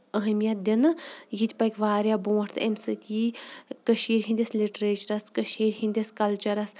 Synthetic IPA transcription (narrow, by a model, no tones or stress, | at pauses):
əɦəmijɐt̪̚d̪ʲinɨjit̪ʲpɐkʲʋaːɾʲjabõːʈt̪ʰḛmsɨkʲikəʃiːɾɦĩnd̪ʲɐsliʈɾeːt͡ʃɐɾɐskəʃiːɾɦĩnd̪ʲɐskɐlt͡ʃɐɾɐs